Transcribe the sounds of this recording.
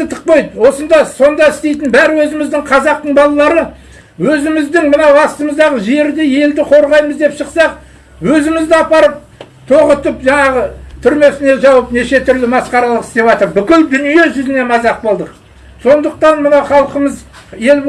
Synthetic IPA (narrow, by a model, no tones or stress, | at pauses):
ət̪ʰə̥q̚pɑjt̪wo̞sənd̪ɑso̞nd̪ɑɪst̪e̞jt̪ɪnbæɾwɵzɪmɪzd̪ɪɴqʰɑzɑq̚t̪əɴbɑlˠɑlˠɑɾə | wɵzɪmɪzd̪ɪŋmənɑwɑst̪əməzd̪ɑʁəʒe̞ɾd̪ɪe̞ld̪ɪqʰo̞ɾʁɑjməzd̪e̞pʃəqsɑq | wɵzɪmɪzd̪ɪɑpɑɾəp̚ | t̪ʰo̞ʁət̪əpʒɑɴɑʁət̪ʰʏɾme̞sɪne̞ʒɑwəpne̞ʃe̞t̪ʰʏɾlɪmɑsqɑɾɑlˠəqɪst̪e̞pɑt̪əɾbʏkʲɪld̪ʏnije̞ʒʏzɪne̞mɑzɑq̚bo̞lˠd̪əq | so̞nd̪əq̚t̪ɑnmənɑwχɑlˠqəməz | je̞l